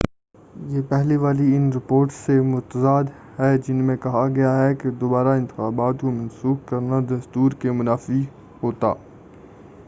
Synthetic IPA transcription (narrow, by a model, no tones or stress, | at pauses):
jeːpɛɦliʋaːliɪnɾɪpoːɾʈsːemʊɾt̪əzaːd̪ | ɦɛd͡ʒɪnmẽkɐɦaɡɐjaɦɛked̪oːbaːɾaɪ̃nt̪ɪ̥xaːbaːt̪komɐ̃nsuːkkɐɾnad̪ɐst̪uːɾkemʊnaːfi | ɦoːt̪a̰ː